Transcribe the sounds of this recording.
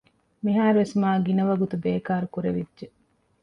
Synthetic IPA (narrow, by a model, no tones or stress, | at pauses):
miɦaːɾuʋesmaːɡinɐʋɐɡut̪ubeːkaːɾukuɾeʋidʒe